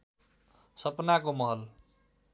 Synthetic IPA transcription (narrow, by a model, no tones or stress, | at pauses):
sʌpnakomʌɦʌl